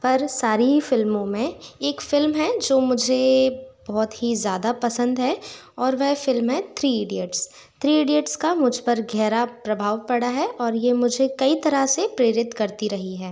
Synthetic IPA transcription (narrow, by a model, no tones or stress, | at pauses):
pɐɾsaːɾifɪlmõmẽeːkfɪlmɦɛd͡ʒoːmʊd͡ʒʱebɔːt̪ɦizjaːd̪apɐsə̃nd̪ɦɛ | ɔːɾʋɛɦfɪlmɦɛ̃t̪ʰɾiːeːɖiəʈs | t̪ʰɾiːeːɖiəʈskamʊd͡ʒʱpɐɾɡʱɛːɾapɾɐbʱaːʋpɐɽaɦɛʔɔːɾjemʊd͡ʒʱekɐit̪ɐɾasepɾeːɾɪt̪kɐɾt̪iɾɐɦiɦɛː